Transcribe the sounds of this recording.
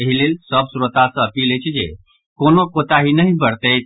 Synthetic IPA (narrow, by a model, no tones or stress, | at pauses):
əɦilelsəbsuɾot̪asə̃əpiləjt͡ʃʰd͡ʒḛ | konokot̪aɦinəɦibəɾt̪əj̪